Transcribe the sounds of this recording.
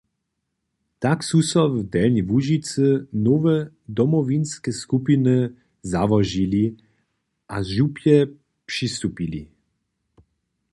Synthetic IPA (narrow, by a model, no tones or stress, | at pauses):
t̪aksusɔvd̪ɛlnʲivuʒit̪sɨnɔvɛ | d̪ɔmɔvinskɛskupinɨ | zavɔʒili | ʔaʒupjɛ | pʂist̪upili